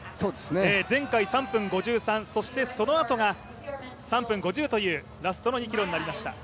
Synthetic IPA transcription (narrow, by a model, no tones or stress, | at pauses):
soːd̪esneezẽ̞ŋkaisãmpɯ̟̃ŋɡo̞ʑɨːsãñso̞ɕi̥t̪e̞so̞no̞at̪o̞ɡa | sãmpɯ̟̃ŋɡo̞ʑɨːt̪o̞jɯ̟ː | ɾasɨ̥t̪o̞no̞ɲ̟ikʲiɾo̞ɲ̟inaɾʲimaɕi̥t̪a̰